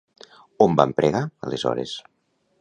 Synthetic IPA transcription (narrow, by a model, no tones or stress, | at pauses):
ombampɾʔeɣaəlezɔ̰ɾḛs